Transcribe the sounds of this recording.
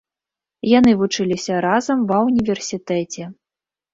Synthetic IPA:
janɨvut͡ʂɨlʲisʲɐɾazɐmvɐunʲivʲɛrsʲit̪ɛt͡sʲɛ

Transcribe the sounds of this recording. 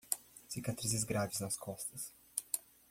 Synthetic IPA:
sikat̪ɾizizɡɾad͡ʒiznaskʰɔst̪əs

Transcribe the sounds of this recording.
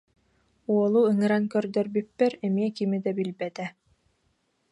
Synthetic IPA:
uɔlˠuɯŋɯɾaŋkœɾd̪œɾbypːɛɾɛmiɛkimid̪ɛbilbɛt̪ɛ

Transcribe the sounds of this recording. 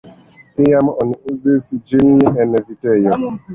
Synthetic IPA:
ɪjamɔnuzesid͡ʒin̩nɪʔɛnevitejɔ

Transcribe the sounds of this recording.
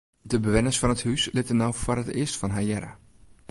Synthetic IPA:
dəbəʋɪnəsfɑnəthyslɪtənːɔwfɔrətɪəstfɑnɦajɛɾə̰

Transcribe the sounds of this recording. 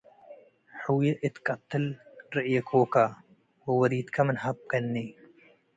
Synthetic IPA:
ħɨwjeʔɨt̪kʼɐt̪ʰːɨlɾɨʔjɐkʰoːkʰa | wɐwɐɾit̪kʰɐmɨnɦab̚kʰɐnːi

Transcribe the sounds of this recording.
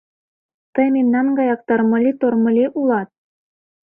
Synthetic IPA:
t̪ɤjmemnɑnɡɑjɑk̚t̪ɤ̆rmɤ̆lʲit̪ormɤ̆lʲeʔulˠɑt̪̚

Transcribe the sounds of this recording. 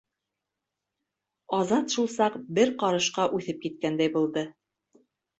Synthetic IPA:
ɑzɑt̪ʃulˠsɑqbɘɾqɑɾɤ̆ʃqɑʔʉθɘp̚kit̪̚kænd̪æjbulˠd̪ɤ

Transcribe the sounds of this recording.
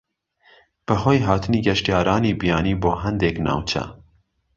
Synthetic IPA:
b̥əɦoːjɦɑːt̪ʰɨniːɡɛʃtijɑːɾɑːniːbijɑːniːboːɦɛnd̪eknɑ̰ːwt͡ʃʰɛ̰

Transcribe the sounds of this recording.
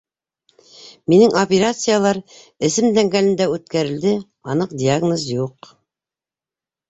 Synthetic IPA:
minɘŋopʲeɾat̪sɨjalˠɑɾɘ̆sɘmd̪æŋɡælɘ̆nd̪æʉt̪kæɾɘ̆ld̪ɘ | ɑnɤq̚d̪ʲiaɡnozjuq

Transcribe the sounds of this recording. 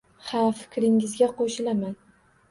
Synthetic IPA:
hamfɪ̥kʲɾɪŋɪzɡʲaqʰoʃɪlaman

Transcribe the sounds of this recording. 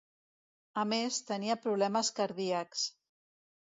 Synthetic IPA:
əmest̪əniəpɾuβ̞lɛməskəɾðiəks

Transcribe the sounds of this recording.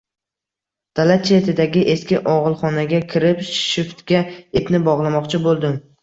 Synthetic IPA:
d̪̥alat͡ʃʰet̪ʰɪd̪aɡʲɪʔe̞skʲɪʔɒʁɨlˠχɒnaɡʲakʲʰɪɾɪpʃɪft̪ɡʲaepnɪbɒʁlˠamɒqt͡ʃʰɪbolˠd̪ɪm

